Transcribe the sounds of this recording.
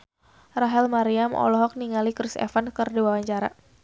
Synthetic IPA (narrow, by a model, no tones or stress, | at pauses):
raɦɛlmaɾiamʔɔ̰lɔɦɔk̚niŋalikɾɪsɛ̰fankərdiwawaɲt͡ʃaɾa̰